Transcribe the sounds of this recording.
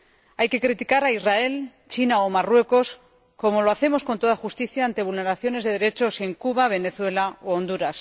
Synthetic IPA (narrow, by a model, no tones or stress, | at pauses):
ajke̞kɾit̪ikaɾaizrae̞l | t͡ʃinao̞marwe̞ko̞s | ko̞mo̞lo̞aθe̞mo̞sko̞nt̪o̞ðaxust̪iθjaːnt̪e̞β̞ulne̞ɾaθjo̞ne̞zðe̞ðe̞ɾe̞t͡ʃo̞se̞ŋkuβaβ̞e̞ne̞θwe̞laoond̪uɾas